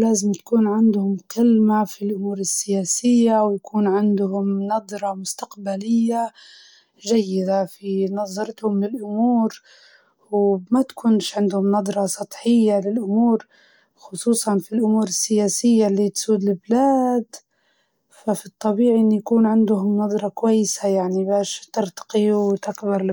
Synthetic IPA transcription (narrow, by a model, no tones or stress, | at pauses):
laːzɪmt̪ḁkuːnʕɪnd̪hʊmqɪlmafilʔʊmuːɾɪsːɪjaːsɪjːawjakuːnʕɪnd̪hʊmnɑd̪ˤɾˤɑmʊst̪aqbalɪjːa | ʒajːɪd̪afinɑðˤɑɾɪt̪hʊmlɪlʔʊmuːɾ | wmat̪kʊnʃʕɪnd̪hʊmnɑd̪ˤɾˤɑsˤɑt̪ˤħɪjːalɪlʔʊmuːɾ | xʊsˤuːsˤɑnfilʔʊmuːɾɪsːɪjaːsɪjːalːit̪suːd̪lɪblaːd̪ | fafit̪ˤːɑbiːʕiʔɪnːijakuːnʕɪnd̪hʊmnɑd̪ˤɾˤɑkʊwajːsajaʕnibaːʃt̪ɪɾt̪ɑ̥qiwt̪akbɑɾˤ